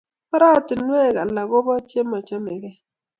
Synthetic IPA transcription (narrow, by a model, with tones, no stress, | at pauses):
ma˦ɾa˦˨tɪ˨n˦e˦˨ka˨la˨ɣo˦bɔ˦t͡ʃje˦mɔ˨t͡ʃe˦me˨ɡɛ˦